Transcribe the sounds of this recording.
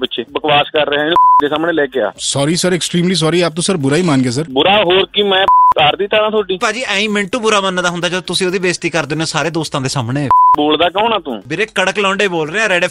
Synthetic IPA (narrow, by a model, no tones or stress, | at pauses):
pɪtːʃʰeːbəkʋaːskəɾːeɦɛ̃ɪnũːd̪eːsaːmɳeːlɛːkea̰ːsɔːɾiːsəɾɛksʈɾiːmliːs̬ɔːɾiːaːp̚t̪ũːsəɾbʊɾaːiːmaːnɡeːs̬əɾbʊɾaːɦoːɾkiːmɛ̃ːt̪aːɾd̪iːt̪əɾãːt̪ʰoːʈiːpaːd͡ʒiːʔɛ̃ːĩːmɪ̃ɳʈũːbʊɾaːmənːd̪aːɦʊ̃nd̪aːd͡ʒəot̪ʊsĩːoːd̪iːbeːst̪iːkəɾd̪ɪnoːsaːɾeːd̪oːst̪ãːd̪eːsaːmɳeːboːld̪aːkɔ̃ːnãːt̪ṵ̃ːbɪɾeːkəɽəklɔ̃ːɳɖeːboːlɾeːãːɾɛːɖeː